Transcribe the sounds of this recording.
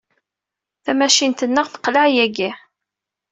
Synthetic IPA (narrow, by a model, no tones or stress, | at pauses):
θæmæʃint̪ənːəʁθə̥qləʕjæɡi